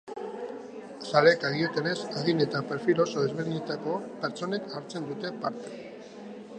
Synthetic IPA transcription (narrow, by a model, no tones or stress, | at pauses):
sale̞kaɣiot̪e̞ne̞saɣine̞t̪apeɾfilo̞soðe̞zβeɾiɲet̪ako̞pe̞ɾt͡so̞ne̞kaɾt͡se̞nd̪ut̪e̞paɾt̪e